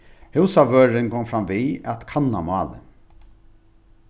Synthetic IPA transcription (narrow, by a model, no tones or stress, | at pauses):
hɪwsaʋøːɾɪŋkʰɔŋmfɾamʋiæt̪kʰanːa̰mɑːlə̰